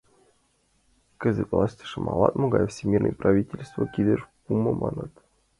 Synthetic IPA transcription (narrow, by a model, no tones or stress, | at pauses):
kʲɘ̆zʲɘklˠɑsʲtʲi̥ʂɤmʔɑ̰lˠɑt̪moɡɑjfʲsʲemʲirnə̰jpravʲitʲelʲst̪vəkʲid̪ɘʐpuməmʔɑnɤt̪